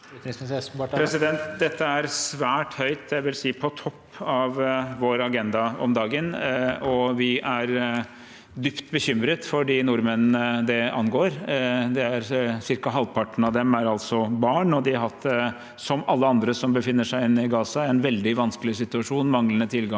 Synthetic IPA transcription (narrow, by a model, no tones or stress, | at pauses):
pɾɛsɪd̪ɛnt̪d̪ɛt̪ʰːəæɾsʋæːʈhœʏt̪æʋɪlsiːpʰɔt̪ʰɔpʰːɑʋʋoːɾɑɡɛnd̪ɑɔ̰md̪ɑːɡənɔʋɪʔæɾ | d̪ʏpt̪bəçʏmɾət̪fɔɖiːnʊɾmənəd̪ɛɑnɡoːɾd̪ɛæɾsɪɾkɑɦɑlpʰɑʈːɳ̩ɑʋd̪ɛmæɾɑlt̪sɔbɑːɳɔd̪ɪɦɑt̪ | sɔmɑlːəɑnd̪ɾəsɔmbəfɪnːəʂæɪɪnːɪɡɑːsɑæɾɛnʋɛld̪ɪʋɑnsklɪsɪt̪ʉɑʂuːnmɑŋlənət̪ʰɪlɡɑ